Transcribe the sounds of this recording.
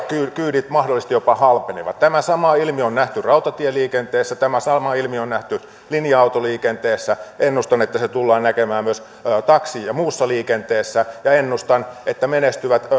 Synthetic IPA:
kyːkyːɾit̪mɑhdolːˑist̪ijopɑhɑlpenḛʋɑ̰t̪t̪æmæsɑmɑːilmionnæht̪yrɑut̪ɑt̪ieliːkent̪eːsːæt̪æmæsɑmɑilmionnæht̪y | linjɑɑut̪oliːkent̪eːsːæenːust̪ɑnet̪ːæset̪ulːɑːnækemæːmmyøs | t̪ɑksiːjjɑmuːsːɑliːkent̪eːsːæjɑenːust̪ɑnet̪ːæmenest̪yʋæt̪

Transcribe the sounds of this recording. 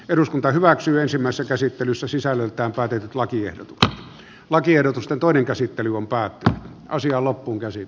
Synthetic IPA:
eɾuskunt̪ɑhyʋæksyːensimːæˑisesːækæsit̪ːelysːæsisælːølt̪ˑæːmpæːt̪et̪yt̪lɑkiḛhdo̰t̪u̥kse̥t̪ | lɑkiehɾot̪ust̪ent̪oˑineŋkæsit̪ːelyompæːt̪ːynyt̪ | ɑsiɑːlopːuːŋkæsi

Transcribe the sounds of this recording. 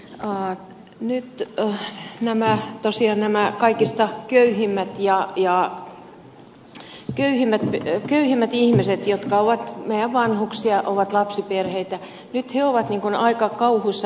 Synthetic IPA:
ɑ | nyt̪ | næmæt̪osiɑːnnæmækɑikist̪ɑkøyhimːæt̪jɑjɑˑ | køyhimːæt̪pkøyhimːæt̪ihmiset̪jot̪kɑoʋɑt̪meijæʋʋɑnhuksiɑʔoʋɑt̪lɑpsiperheit̪æ | nyt̪heoʋɑt̪niːŋkunɑikɑkɑuhuisːɑ

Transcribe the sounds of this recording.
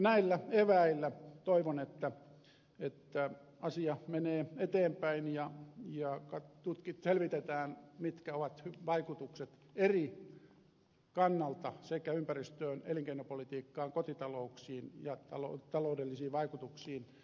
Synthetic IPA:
næilːæeʋæilːæt̪oiʋonet̪ːæ | et̪ːæ | ɑsiɑmeneːet̪eːmpæinjɑjɑkɑt̪ut̪kit̪selʋit̪et̪æːnmit̪kæoʋɑt̪hyʋɑikut̪ukset̪ | eri | kɑnːɑlt̪ɑsekæympærist̪øːnḛliŋkeinopolit̪iːkːɑːŋkot̪it̪ɑlouksiːnjɑt̪ɑlot̪ɑloudelːisiːʋʋɑikut̪uksiːn

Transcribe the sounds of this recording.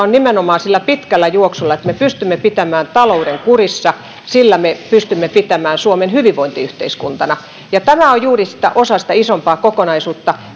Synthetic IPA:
onnimenomɑːnsilːæpit̪kælːæjuoksulːɑet̪mepyst̪ymːepit̪æmæːnt̪ɑlouɾeŋkurisːɑ | silːæmepyst̪ymːepit̪æmæːnsuomenhyʋiʋʋoint̪iyht̪eiskunt̪ɑnɑ | jɑt̪æmæojjuːrisi̥t̪æ̰ʔosɑsi̥t̪æisompɑːkokonɑisuːt̪ːɑ

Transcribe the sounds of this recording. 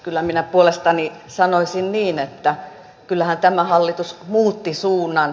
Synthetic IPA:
kylːæminæpuolest̪ɑnisɑnoisinniːnet̪ːæ | kylːæhænt̪æmæhɑlːit̪usmuːt̪ːisuːnːˑɑn

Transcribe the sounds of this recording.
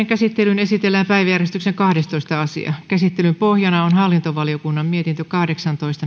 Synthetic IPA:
eŋkæsit̪ːelynesit̪elːæːmpæiʋæjærjest̪ykseŋkɑhdest̪oist̪ɑɑsḭɑ̰kæsit̪ːelympohjɑnɑonhɑlːint̪oʋɑliokunːɑmmiet̪int̪økɑhdeksɑnt̪oist̪ɑ

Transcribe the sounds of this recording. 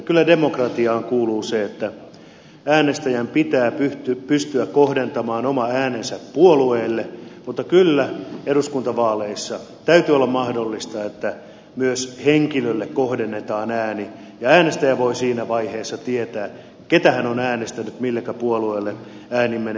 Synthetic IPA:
kylːædemokrɑt̪iɑːŋkuːluːseet̪ːæ | æːnest̪æjæmpit̪æːpyt̪ypyst̪yækkohdent̪ɑmɑːnomɑæːnensæppuolueːlːemut̪ːɑkylːæeɾuskunt̪ɑʋɑːleisːɑ | t̪æyt̪yolːɑmmɑhdolːist̪ɑet̪ːæ | myøsheŋkilølːekkohdenːet̪ɑːnæːni | jɑæːnest̪æjæʋoisiːnæʋɑiheːsːɑt̪iet̪æː | ket̪æhænonæːnest̪ænyt̪milːekːæpuolueːlːe | æːnimːen

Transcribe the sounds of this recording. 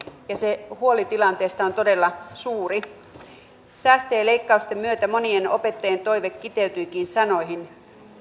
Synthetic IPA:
jɑsehuolit̪ilɑnt̪eːst̪ɑont̪ode̞lːɑsuːri | sæːst̪øjele̞ikːɑust̪emːyøt̪æmo̞nieno̰pe̞t̪ːɑjent̪o̞iʋekːit̪eyt̪yikiːnsɑno̞jɦin

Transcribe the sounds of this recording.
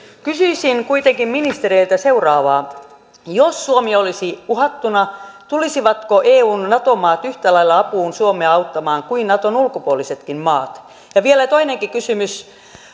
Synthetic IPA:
kysyisiŋkuit̪eŋkimminist̪eɾeilt̪æseurɑːʋɑː | josːuomiolisiuhɑt̪ːunɑt̪ulisiʋɑt̪koʔeːuːnnɑt̪omɑːt̪yht̪ælɑilːɑɑpuːnsuomeɑɑut̪ːɑmɑːŋkuinnɑt̪onulkopuoliset̪kimmɑːt̪ | jɑʋielæt̪oineŋkikysymys

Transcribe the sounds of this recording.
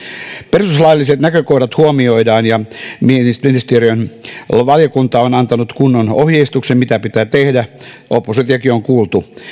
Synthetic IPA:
perususlɑilːiset̪nækøkodɑt̪huomioidɑːnjɑmienist̪minist̪eriønʋɑljɑkunt̪ɑonɑnt̪ɑnut̪kunːonohjeist̪uksemmit̪æpit̪æːt̪ehdæʔopːuset̪jɑkioŋkuːlt̪u

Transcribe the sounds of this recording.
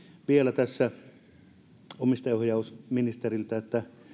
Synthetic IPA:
ʋielæt̪æsːæ | omist̪ɑohjɑusminist̪erilt̪æet̪ːæ

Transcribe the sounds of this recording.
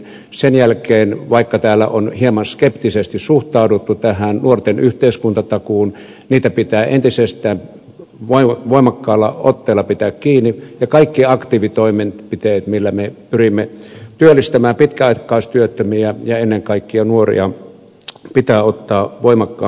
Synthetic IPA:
senjælkeːnʋɑikːɑt̪æːlːæ̰ʔonhiemɑnskept̪isest̪issuht̪ɑˑudut̪ːut̪æhænnuort̪enyht̪eˑiskunt̪ɑt̪ɑkuːn | niːt̪æpit̪æːʔent̪isest̪ˑæːm | ʋoiʋoˑimɑkːɑːlːɑ̰ot̪ːeːlːɑpit̪æːkkiːnːijɑkɑikːiɑkt̪iːʋit̪oiment̪pit̪eːt̪milːæmepyrimːet̪yølːˑist̪æmæːpit̪kæɑikːˑɑist̪yøt̪ːømiæjɑenːeŋkɑikːiɑnuorḭɑ | pit̪æːot̪ːɑːʋoimɑkːɑː

